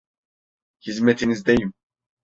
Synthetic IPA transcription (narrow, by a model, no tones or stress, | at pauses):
hizmɛt̪ʰinizd̪ejim